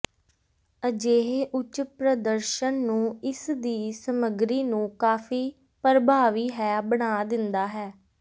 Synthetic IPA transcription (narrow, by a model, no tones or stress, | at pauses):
əd͡ʒeːɦeːʔʊt͡ʃpɾəd̪əɾʃənːũːɪsd̪iːsəməɡɾiːnũːkaːfʰiː | pəɾbʱaːʋiːɦɛːbəɳaːd̪ɪnd̪aːɦɛː